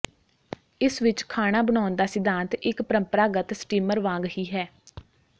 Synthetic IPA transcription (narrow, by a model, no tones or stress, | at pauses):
ɪsʋɪt͡ʃkʰaːɽ̃aːbəɳ̃aːʊnd̪aːsɪd̪ãːnt̪ɪkpəɾəmpəɾaːɡət̪sʈiːməɾʋãːŋɡhiːɦɛː